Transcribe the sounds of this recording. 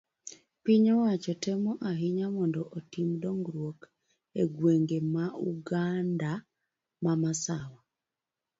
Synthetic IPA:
piɲɔwat͡ʃɔtɛmɔʔaɦiɲamɔndɔʔotimdɔŋɡɾwok | eɡweŋɡemauɡanda | mamasawa

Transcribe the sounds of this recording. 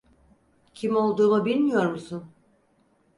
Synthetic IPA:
cʰimo̞lˠd̪uːmubilʲmijo̞ɾmusun

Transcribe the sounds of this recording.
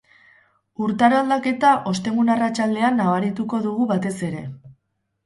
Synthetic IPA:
uɾt̪aɾald̪ake̞t̪aʔo̞st̪e̞ŋɡunarat͡ʃald̪e̞anːaβaɾit̪uko̞ðuɣ̞uβat̪e̞se̞ɾe̞̰

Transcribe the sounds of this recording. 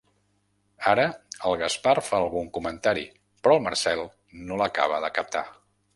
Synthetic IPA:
aɾəəlˠɣəsparfaəlˠɣuŋkumənt̪aɾḭ | pɾɔəlˠmərsɛlˠ | noləka̰β̞əðəkəp̚t̪a̰

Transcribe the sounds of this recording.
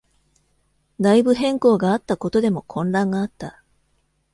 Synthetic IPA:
d̪aibɯ̟ɦẽ̞ŋko̞ːɡaːt̪ːako̞t̪o̞d̪e̞mo̞kʰõ̞nɾãŋɡaːt̪ːa

